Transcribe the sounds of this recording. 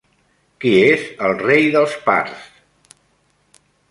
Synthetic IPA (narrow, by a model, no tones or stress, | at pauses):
kiezəlˠrejðəlˠspa̰ɾs